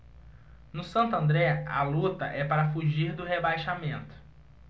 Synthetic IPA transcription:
nʊsɐ̃nt̪ʊɐ̃nd̪ɾɛa̰lut̪ɐʔɛpaɾɐfuʒiɾd̪ʊɦebajʃamẽnt̪ʊ̥

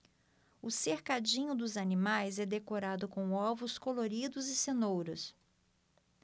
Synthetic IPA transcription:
ʊseɾkad͡ʒĩɲʊd̪ʊzanimajzɛd̪ekoɾad̪ʊkõw̃ɔvʊskoloɾid̪ʊzɪsenowɾʊs

